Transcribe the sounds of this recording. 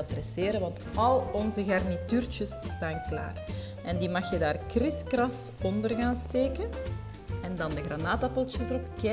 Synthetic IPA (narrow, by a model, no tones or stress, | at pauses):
prɛseːɾəʋɑntɑlˠɔnzəɣɑrnityːrt͡ʃəsːtaːnkla̰ːr | ɛndiːmɑxjədaːrkrɪskrɑsɔndərɣaːnsteːkən | ɛndɑndəɣranaːtapɔlˠt͡ʃəsəɾɔpkɛ